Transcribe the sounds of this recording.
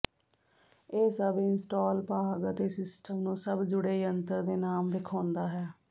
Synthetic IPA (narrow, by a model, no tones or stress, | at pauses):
eːsəbɪnsʈoːlpaːɡət̪eːsɪsʈəmnũːsəbd͡ʒʊɽeːiənt̪əɾd̪eːnaːmʋɪkʰaːnd̪aːɦɛː